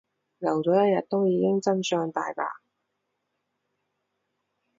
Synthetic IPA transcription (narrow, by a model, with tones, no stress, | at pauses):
lɐ˨˩wt͡sɔː˨˥jɐ˥t̚jɐ˨t̚t̪o˥wjiː˨˧kɪ˥ŋt͡sɐ˥nsœː˧ŋt̪aː˨jpa̰ː˨